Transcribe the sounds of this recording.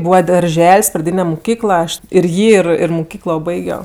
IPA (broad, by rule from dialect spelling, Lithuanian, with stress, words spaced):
ˈbuːʋɐ dɐrʲˈʒʲɛlʲsʲ prɐˈdʲiːnʲɛ mʊˈkʲiːklˠɐ ɐʃ ɪr ˈjiː ɪr ɪr mʊˈkʲiːklˠoː ˈbɐɪɡʲoː